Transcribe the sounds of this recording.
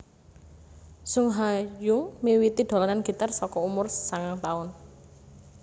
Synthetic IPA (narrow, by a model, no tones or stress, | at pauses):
sʊŋɦajʊŋmiwit̪id̪̥o̤lɔnanɡ̥i̤t̪arsɔkɔumʊrsaŋaŋt̪aʊn